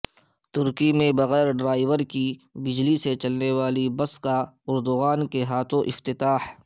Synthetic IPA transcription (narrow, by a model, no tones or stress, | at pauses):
t̪ʊɾkimẽbɐɣɛːɾɖɾaːɪʋəɾkibɪd͡ʒliset͡ʃɐlneʋaːlibɐskaʊɾd̪ʊɣaːnkeɦaːt̪ʰõʔɪft̪ɪt̪aːh